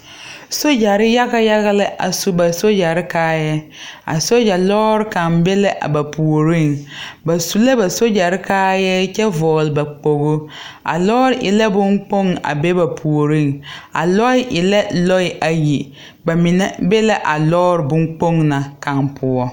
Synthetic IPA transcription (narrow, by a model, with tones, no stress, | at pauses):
so˦d͡ʒa˨ɾɪ˦ja˦ɣa˦ja˦ɣa˦lɪ˦ʔa̰˨su˦ba˨so˦d͡ʒa˨ɾɪ˦kaː˦jɛ˦ | a̰˨so˦d͡ʒa˨lɔː˦ɾɪ˦ka˨mbɛ˦lɪ˦ʔa̰˨ba˨pʰu˨o˨ɾi˦˨ŋba˨su˨la˦ba˨so˦d͡ʒa˨ɾɪ˦kaː˦jɛ˦t͡ʃɛ˦vɔː˨lɪ˨ba˨k͡po˨ɣʊ˦a̰˨lɔː˦ɾɪ˦ʔɪ˨la˦bʊ˦ŋk͡po˦ŋa̰˨be˦ba˨pʰu˨o˨ɾi˦˨ŋa̰˨lɔ˦ɪ˦ʔɪ˨la˦lɔ˦ɪ˨ʔa˨ji˨ | ba˨mɪ˨nɛ˦bɛ˦la˦ʔa˨lɔː˦ɾɪ˨bʊ˦ŋk͡po˦ŋna˨ka˨npʰʊ˦ɔ˦